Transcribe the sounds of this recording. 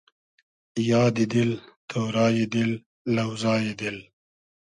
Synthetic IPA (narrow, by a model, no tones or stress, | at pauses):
jɑːd̪id̪ilt̪ʰoːɾɑːjid̪ɪlː | ɐwzɑːjid̪ɪl